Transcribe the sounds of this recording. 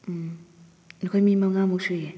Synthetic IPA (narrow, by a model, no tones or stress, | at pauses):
m̩ | nkʰɔjmimaŋamusujɛ